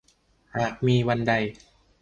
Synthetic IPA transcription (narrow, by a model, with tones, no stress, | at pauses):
ɾa˨˩k̚miː˧wa˧nda˧j